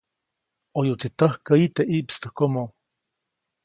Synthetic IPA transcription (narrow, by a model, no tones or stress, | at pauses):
ʔojuʔt̪it̪əhkəit̪eʔiʔpst̪əhkomo